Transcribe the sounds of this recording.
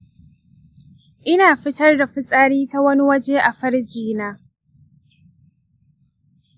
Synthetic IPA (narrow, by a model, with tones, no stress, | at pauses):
ʔɪ˦naː˨ɸɪ˦tɐ˦rda˨ɸʊ˦sʼaː˦ɾiː˦ta˦wɐ˦ni˦wɐ˦d͡ʒeː˦ʔa˨ɸɐ˦ɽd͡ʒiː˦naː˦